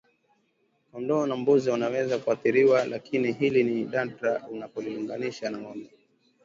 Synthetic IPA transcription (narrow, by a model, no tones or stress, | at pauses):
kɔndɔːnambuziunawɛzakuaθiɾiwalakiniɦiliniɗantɾaunapɔliuŋɡaniʃanawɔnɔ